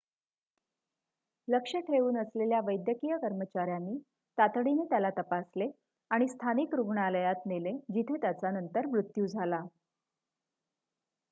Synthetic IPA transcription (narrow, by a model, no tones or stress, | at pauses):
ləkʂəʈʰeʋuːnəsleljaʋəjd̪jəkijəkəɾmət͡ɕaɾjanːiː | t̪at̪ɽinet̪jalat̪əpasle | aɽ̃ist̪ʰanikɾuɡɳaləjat̪neled͡ʑit̪ʰet̪jat͡sanənt̪əɾmɾut̪juːd͡zʱala